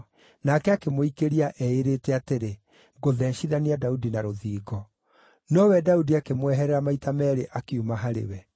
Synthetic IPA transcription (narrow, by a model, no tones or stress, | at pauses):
nakɛakemoikeɾiaʔɛeɾeːtɛateɾe | ɡoðɛːnʃiðaniadaudinaɾoðiːɡɔ | nɔwɛdaudiakemwɛɦɛɾɛɾamaitamɛːɾeʔakiumaɦaɾḛwɛ